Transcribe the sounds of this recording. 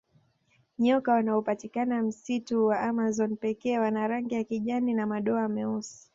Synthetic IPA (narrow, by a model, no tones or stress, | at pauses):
ɲɔkawanaupatikanam̩situwaamazɔnpɛkɛːwanaɾaŋɡijakiʄaninamaɗɔaːmɛusi̥